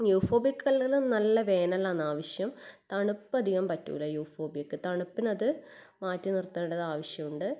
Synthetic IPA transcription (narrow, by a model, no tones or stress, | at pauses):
juːfo̞ːbjɐkːɨkɐlːɐɣɐɭumnɐlːɐʋe̞ːnɐlaːnaːʋɐɕjɐmt̪ɐɳupːɐd̪ʱiɣɐmpɐtːṵːlɐjuːfo̞ːbjɐkːɨt̪ɐɳupːinɐðɨ | maːtːinirt̪ːeːɽɐðaːʋɐɕjɐmuɳɖɨ